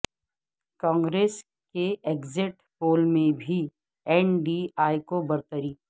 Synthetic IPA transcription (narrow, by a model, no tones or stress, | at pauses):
kɔ̃ːŋɡɾeːs | keʔeːɡzɪʈ | poːlmẽbʱi | ɛːnɖiaːikobɐɾt̪əɾiː